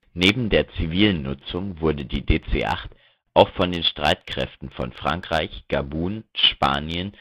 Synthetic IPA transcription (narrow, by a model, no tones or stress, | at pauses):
neːbm̩deːɐt͡siviːlənːʊt͡sʊŋvʊɐdədiːdeːt͡sḛːʔa̰χt | ʔaʊxfɔndeːnʃtʁ̥aɪtkʁ̥ɛ̰ftn̩fɔ̰nfʁ̥a̰ŋkʁ̥aɪçɡ̥abuːnʃpa̰ːnjən